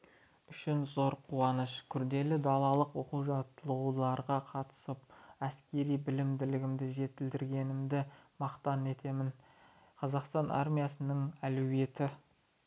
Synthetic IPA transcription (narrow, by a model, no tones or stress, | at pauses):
ʏʃɪnzo̞ɾqʰuɑnəʃkʲʰʏɾd̪e̞lɪd̪ɑlˠɑlˠəqwo̞quwʒɑt̪əlˠulˠɑɾʁɑqʰɑt̪ə̥səp̚æskʲe̞ɾijbɪlɪmd̪ɪlɪɡʲɪmd̪ɪʒe̞t̪ɪld̪ɪɾɡʲe̞nɪmd̪ɪmɑqt̪ɑne̞t̪e̞mɪn | qʰɑzɑqst̪ɑnʔɑ̰ɾmijasənəŋælɵwe̞t̪ɪ